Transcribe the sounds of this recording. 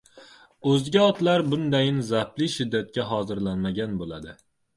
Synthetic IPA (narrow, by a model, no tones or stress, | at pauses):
ɵzɡʲaɒt̪laɾbʊnd̪ajɪnzaplɪʃɪd̪ːat̪̚kʲaɦɒzɪɾlanmaɡʲanbolad̪ɪ